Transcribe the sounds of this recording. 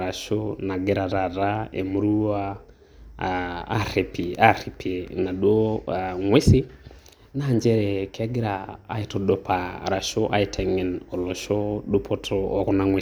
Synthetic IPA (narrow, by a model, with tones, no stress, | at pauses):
ɾa˨ʃɔna˨ɡɛɾa˨ɾa˨ɾaɛ̰˨mu˦ɾu˦a˦ | ɾɛ˨pia˦ɾi˨pʰiɛna˨ɗu˦ɔ˦aŋwe˦si˦ | naː˨ɲd͡ʒɛɾɛka˦ɡɛ˦ɾa̰ː˨itɔɗɔ˦pʰa̰˨ɾa˨ʃɔʔa̰˦i˨tʰɛ˨ŋɛ˨nɔ˨lɔ˨ʃɔ˦ɗu˦pʰɔtʰɔɔ˨ɣɔ˦naŋwe